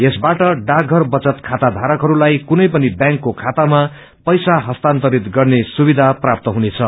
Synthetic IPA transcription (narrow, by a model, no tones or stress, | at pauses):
esbaʈʌɖaɡʱʌrbʌt͡sʌt̪kʰat̪ad̪ʱaɾʌkɦʌɾulajkunʌjpʌnibjãŋkːokʰat̪ama | pʌjsaɦʌst̪ant̪ʌɾit̪ɡʌrnesubid̪ʱaprap̚t̪ʌɦunet͡sʰʌ